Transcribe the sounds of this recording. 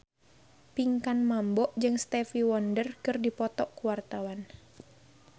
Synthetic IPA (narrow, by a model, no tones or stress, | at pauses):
piŋkanmambɔʔd͡ʒɨŋst̪ɛfiwɔndərkɨrdipɔt̪ɔʔkuwart̪awan